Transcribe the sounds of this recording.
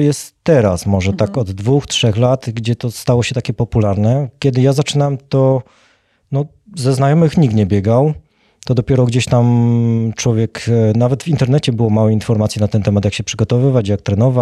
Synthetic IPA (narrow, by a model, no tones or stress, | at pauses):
jɛst̪ːɛɾasmɔʐɛt̪akɔd̪ːvuxtʂɛxlat̪ɡd͡ʑɛt̪ɔst̪awɔɕɛt̪akʲɛpɔpulaɾnɛkʲɛd̪ɘjazat͡ʂɘnawɛmt̪ɔ | nɔ | zɛznajɔmɘxɲik̚t̪ɲɛbʲjɛɡaw | t̪ɔd̪ɔpʲjɛɾɔɡd͡ʑeɕt̪amt͡ʂwɔvʲjɛknavɛd̪vint̪ɛɾnɛt͡ɕɛbɘwɔmawɛinfɔɾmat̪sjiɛnat̪ɛnt̪ɛmat̪jakɕɛpʂɘɡɔt̪ɔvɘvat͡ɕjak̚t̪ɾɛnɔva